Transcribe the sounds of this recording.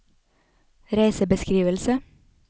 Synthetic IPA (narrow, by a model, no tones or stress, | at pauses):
ɾæɪsəbəskɾiːʋəlsə